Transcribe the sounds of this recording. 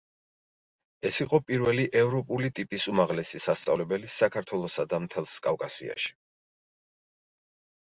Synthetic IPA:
ɛsiqʼɔpʼiɾvɛliʔɛvɾɔpʼulit̪ʼipʼisumaʁlɛsisast̪sʼa̰vlɛbɛlisakʰaɾt̪ʰwɛlˠɔsad̪amt̪ʰɛlˠskʼavkʼasḭa̰ʃi̥

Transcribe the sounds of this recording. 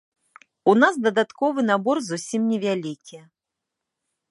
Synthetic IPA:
unas̬d̪ɐd̪at̪kɔvɨnabɔrzusʲimnʲɛvʲalʲikʲi

